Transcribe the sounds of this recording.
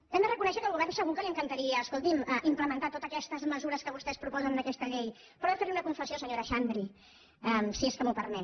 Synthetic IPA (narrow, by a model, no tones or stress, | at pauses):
ɛmd̪ərəkunɛʃəkəlˠɣuβɛɾnsəɣukəliəŋkənt̪əɾiəːskolˠt̪iməʔimpləmənt̪at̪ot̪əkɛst̪əzməzuɾəskəβust̪ɛspɾupɔzənd̪əkɛst̪əʎej | pɔɾðəfeɾmunəkuɱfəsiosəɲoɾəʃand̪ɾi | əmsieskəmupəɾmɛ